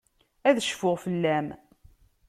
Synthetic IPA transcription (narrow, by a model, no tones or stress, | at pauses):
æðəʃfʊʁfəlːæm